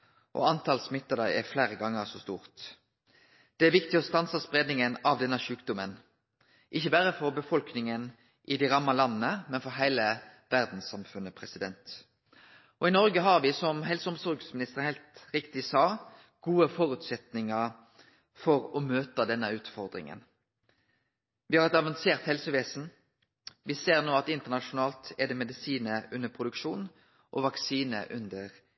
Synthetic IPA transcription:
ʔɔ̰ɑnt̪ʰɑːlsmɪt̪ːəd̪ɑɛflæːɾəɡɑŋːəʁsɔst̪ṵːʁt̪ | d̪̥ɛæʋɪkt̪ɪɔst̪ɑnsəspʁeːd̪nɪŋənɑʋd̪ɛnːəʃʉːkd̪ʊmən | ʔɪçːəbæːɾəfɔɾbəfɔlknɪŋən | ʔɪd̪ɪʁɑmːɑlɑnːənəmɛnfɔɾɦæɪləʋæʁd̪n̩sɑmfʉnːəpʰʁɛsɪd̪ɛnt̪ | ʔɔɪnɔɾɡəɦɑɾʋɪsɔmɦɛlsəʊmsɔɾɡsmɪnɪst̪əʁəhɛɪlt̪ɾɪkt̪ɪsɑː | ɡ̥uːəfɔɾʉt̪sɛt̪nɪŋəʁ | fɔɾɔmøːt̪əd̪ɛnːəʉːt̪fɔʁd̪ɾɪ̰ŋə̰n | ʋɪhɑɾɛt̪ɑʋɑnseːʁt̪hɛlsəʋeːsn̩ | ʋɪseːʁnoːɑt̪ɪnt̪əʁnɑʂʊnɑːlt̪ɛd̪ɛmɛd̪ɪsiːnəʔʉnəpʰʁʊd̪ʉkʂuːn | ʔɔʋɑksiːnə̰ʔʉnd̪əʁ

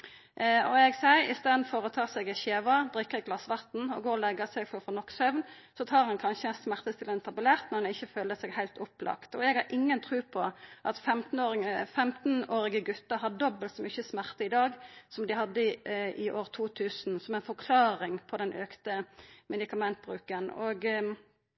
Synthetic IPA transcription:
ɔɛɡsæɪɪ̰st̪eːd̪n̩fɔɾɔt̪ʰɑːsɛɡæɪçeːʋɑb̪ɾɪkːəʁɡlɑsːʋɑʁt̪n̩ɔ̰ɡoːɔlɛɡəsɛɡfɔfɔːnɔkːsœʋnsɔt̪ʰɑːɾhɑnkʰɑnʃəɛnsmæʁt̪əst̪ɪləɛnt̪ʰɑbʉlæʁt̪nɔɾɛnɪçːəføːləsɛɡhæɪlt̪ʰʊplʔɑ̰kt̪ɔɛɡhɑɾʔɪŋːənt̪ʰɾʉːpʰɔʔɑt̪fɛmt̪n̩oːʁɪŋəfɛmt̪n̩oːɾɪɡəɡʉt̪əɦɑd̪ɔbəlt̪mʏçːəsmæʁt̪əɪd̪ɑːɡsɔmd̪ɪhɑd̪ːəʔɪʔoːʁt̪ʰuːt̪ʰʉːsnsɔmɛɪnfɔkʰlɑːɾɪŋpʰɔd̪ɛnʔøːkt̪əmɛd̪ɪkɑmɛnt̪̚bʁʉːkəno̰ɡ

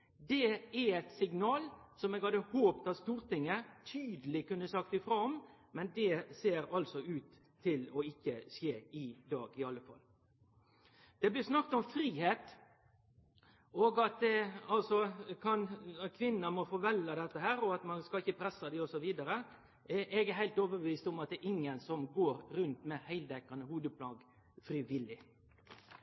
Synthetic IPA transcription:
d̪ɛæɛt̪sɪŋnɑːlsɔmɛɡhɑd̪əhoːpt̪ɑst̪uːɾt̪ɪŋːət̪ʰyːd̪əlɪkʉnːəsɑkt̪ɪfɾoɔmmɛnd̪ɛseːɾɑlsɔʉːt̪ʰː | ɪlɔɪçːəseːɪd̪ɑ̰ːɡɪɑlːəfɑ̰l | d̪̥ɛblɪsnɑk̚ːt̪ɔmfɾiːheːt̪ | ɔːɡɑt̪̚ɛɑlsɔkʰɑnkʰʋɪnːəmɔfɔɾʋɛlɑd̪ɛt̪ːəɦæːɾɔɑt̪mɑnskɑɪçːəpʰɾɛsːɑd̪ɪɔsɔʋiːd̪ɑɾə | ʔɛɡæɦæɪt̪oːʋəbəʋiːst̪ɔmɑt̪̚d̪ɛʔɪŋːənsɔmɡoːɾɾʉnt̪mɛhæɪld̪ɛkːɑnəhuːd̪əpʰlɑːɡ | fɾiʋɪlɪ

